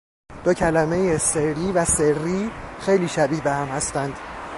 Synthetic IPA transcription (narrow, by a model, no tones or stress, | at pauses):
d̪̥ɒːcʰælæmejeserɾiːvæserːiːxejliːʃæbihbehæmhæst̪ænd̪̥